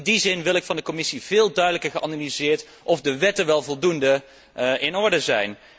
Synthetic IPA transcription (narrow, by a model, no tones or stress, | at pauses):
ndizɪnʋɪlˠɪkfɑndəkomɪsiv̥ɪːlˠdœɥdələkəɹχəʔɑnalizɪːɹt | ʔɔvdəʋɛtəʋɛlˠvɔlˠdundə | ɪnɔɹdəzɛ̰jn